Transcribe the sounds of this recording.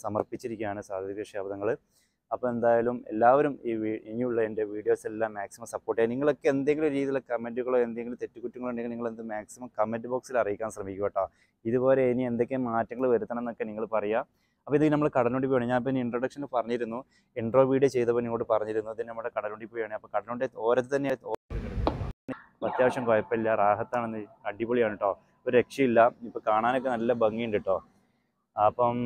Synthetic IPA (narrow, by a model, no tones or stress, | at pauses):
sɐmɐ̰rpit͡ɕːiɾik̬ʲːumaːɳɨsaːd̪ʱɐikːɐʂjaːbɐðɐŋːɐɭɨ | ɐpːome̞nd̪aːjaːlume̞̰lːaːʋɐɾumiːʋiːɲːiuɭːɐende̞ʋiːɽijo̞ːselːaːmːaːksimɐmsɐpːoːʈːjeniŋːɐɭo̞kːe̞end̪eŋɡilmoɾuɾiːðilːekɐmːe̞nduɣɐɭo̞ːe̞nd̪eŋɡilumt̪e̞tːukutːuŋːɐɭuɳɖeŋɡilniŋːɐɭend̪ɨmaːksimɐmkɐmːendɖɨbo̞ːksilɐrijikʲːaːnɕrɐmikʲːɐpːeʈːa | iðubo̞ːle̞niend̪ekʲːemaːtːɐŋːɐɭʋɐɾut̪ːɐnɐenːo̞kːe̞niŋːɐɭpɐrɐja | ɐpːoːinːokːinɐmːɐɭkɐɽɐnuɳɖip̬ːojaɳɲaːnpːoiniɳʈroɽɐkʂɐnpɐrɐɲːiɾunːu | iɳɖro̞ːʋiːɽiet͡ɕejt̪ːɐpːoːniŋːoʈːɨpɐrɐɲːiɾunːuɐðinnɐmːɽekɐɽɐluɳɖipːoːjaːɳiɐpːokɐɽɐnuɳɖeo̞ːɾɐt̪ːɨt̪ɐnːet̪oːkɐɽuni | pɐt̪jaːʋɐɕɐmkɐjɐpːɐilːɐraːɦɐt̪ːaːɳenːɨɐɖipoɭijaːɳiʈːo̞ː | oɾuɾe̞kʂjɐmilːɐipːokaːɳaːnok̬ːe̞nɐlːɐbɐŋːijeɳɖiʈːo̞ː | ɐpːɐm